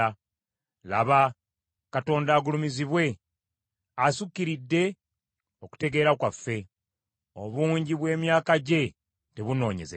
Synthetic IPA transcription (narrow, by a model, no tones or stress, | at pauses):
a | la̰βa | kato̞ːndaːɡulumiziβwe̞ | asukːiɾidːe̞ | o̞ku̥te̞ɡe̞ːɾakwafːe̞ | o̰βuːɲɟiβwe̞ːmjaːkaɟe̞ | te̞βuno̞ːɲe̞̰ze